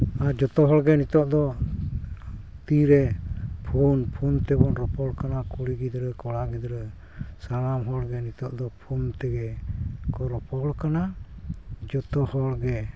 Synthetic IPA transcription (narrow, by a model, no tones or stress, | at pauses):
ad͡ʒɔt̪ɔɦɔɽɡɛnit̪ɔʔd̪ɔ | t̪iɾɛpʰunpʰunt̪ɛbɔnɾɔpɔɽkanakuɽiɡid̪ɾɛkɔɽaɡid̪ɾɛ | salamɦɔɽɡɛnit̪ɔʔd̪ɔpʰunt̪ɛɡɛkɔɾɔpɔɽkana | d͡ʒɔt̪ɔhɔɽɡɛ